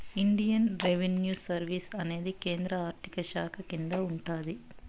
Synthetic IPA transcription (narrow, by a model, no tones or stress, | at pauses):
iɳɖijɐnɾeʋenjuːsɐɾʋiːsɐne̞ːd̪ike̞ːnd̪ɾɐaːɾt̪ʰi̥kɐʃaːkʰɐkind̪ɐuɳʈaːd̪i